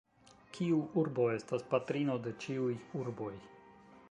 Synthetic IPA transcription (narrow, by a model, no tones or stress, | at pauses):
kʰiuʔuɾbo̞e̞staspatɾino̞de̞t͡ʃiujuɾbo̞j